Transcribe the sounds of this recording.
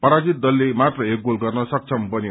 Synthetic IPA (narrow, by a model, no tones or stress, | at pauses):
pʌɾad͡zit̪̚d̪ʌlːemat̪rʌek̚ɡolɡʌrnʌsʌk̚t͡sʰʌmbʌni